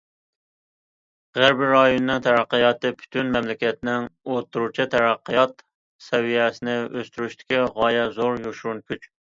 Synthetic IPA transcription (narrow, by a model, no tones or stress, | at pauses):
ʁæɾbiɾɑjonɨnɨŋt̪ʰɛɾæqːəjɑt̪ɨpʰy̥t̪ʰynmɛmlɪkʲɛt̪̚nɪŋot̪ːuɾut͡ʃʰit̪ʰɛɾæqːɨjɑt̪ | sɛwijɛsɪnɪʔøst̪yɾyʃt̪ʰɪ̥kʲiʁɑjɛzoɾjoʃuɾunkʲʰyt͡ʃ